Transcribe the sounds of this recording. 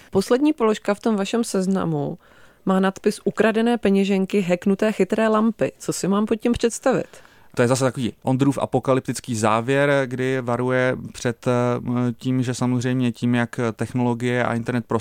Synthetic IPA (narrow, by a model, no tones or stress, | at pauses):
po̞slɛdɲiːpo̞lo̞ʃkaft̪o̞mvaʃɛmsɛzna̰mu | maːnat̪pɪsʔukɾadɛnɛːpɛɲɛʒɛŋkɪɦɛknut̪ɛːxɪt̪ɾɛːlampɪt͡so̞sɪmaːmpoc̚cːɛmpr̝̥ɛt̪st̪avɪ̰t̪ | t̪ojɛzas̬ɛt̪akoviːʔond̪ɾuːfʔa̰po̞kalɪp̚t̪ɪt͡skiːzaːvjɛɾɡdɪvaɾujɛpr̝̥ɛt̪ciːmʒɛsamozr̝ɛjmɲɛciːmjakt̪ɛxno̞lo̞ɡɪjɛʔa̰ʔɪnt̪ɛɾnɛt̪̚pɾo